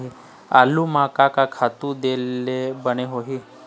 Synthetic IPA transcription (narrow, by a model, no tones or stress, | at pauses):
ɦi | a̰lumakakakʰat̪ũd̪elːebəñeɦoɦi